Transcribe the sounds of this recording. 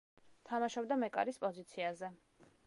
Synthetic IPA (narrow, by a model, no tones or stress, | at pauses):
t̪ʰamaʃɔbd̪amɛkʼa̰ɾispʼɔzit̪sʰiazɛ